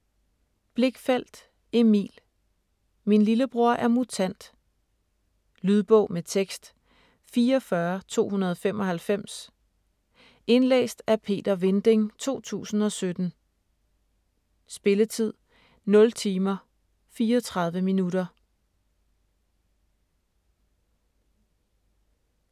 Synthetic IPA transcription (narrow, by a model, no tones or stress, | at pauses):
b̥le̝ɡ̥fæl̰d̥ | e̝mḭːl | minliləb̥ʁo̝ɐ̰ʔæɐmut͡sʰæn̰d̥ | lyð̞ˠb̥ɔ̽ʊ̰met͡sʰeɡ̥sd̥ | fiːɐɒfɶɐt͡sʰo̝̰ːhunɐð̞ˠɒ̽femʔɒ̽hælfem̰s | e̝nlḛːsd̥æpʰe̝̰ːd̥ɐʋe̝nd̥e̝ŋt͡sʰo̝̰ːt͡sʰṵːsn̩ɒ̽sød̥n̩ | sb̥e̝lət͡sʰið̞̰ˠ | nɔ̽lt͡sʰiːmɐ | fiːɐɒt͡sʰʁɑ̈ð̞ˠʋəminuɾɐ